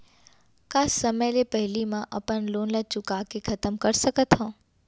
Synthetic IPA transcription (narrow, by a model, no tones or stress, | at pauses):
kaːsːɐməjlepɐɦɪlimãʔɐpənloːnlət͡ʃʊkakekʰɐt̪əmkɐɾsɐkət̪ʰɦõː